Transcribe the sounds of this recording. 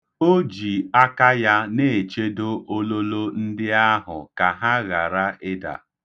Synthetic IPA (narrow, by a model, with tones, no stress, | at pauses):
o˦d͡ʒi˨a˦ka˦ja˦ne˦˨e˨t͡ʃe˦do˦ʔo˦lo˦lo˦n̩˦dɪ˦a˦ɦʊ̰˨ka˨ɦa˦ɣa˨ɾa˦ɪ˦da̰˨